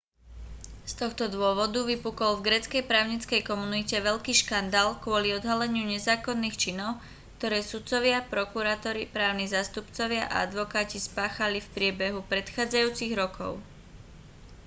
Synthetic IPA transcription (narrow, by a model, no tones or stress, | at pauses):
st̪ɔxt̪ɔd̪ʋʊɔʋɔd̪uʋipukɔlvɡɾɛːt͡skɛjpɾaːʊɲit͡skɛjkɔmunicɛʋɛʎkiːʃkand̪aːlkwʊɔliɔd̪ɦalɛɲɪuɲɛzaːkɔnːiːxt͡ʃinɔʊ | kt̪ɔɾɛːsut̪t͡sɔʋɪapɾɔkuɾaːt̪ɔɾipɾaːʊnizaːst̪upt͡sɔʋɪaʔa̰a̰d̪ʋɔkaːcispaːxalifpɾɪɛbɛɦupɾɛt̪xaːd͡zajuːt͡siɣɾɔkʰɔ̰ʊ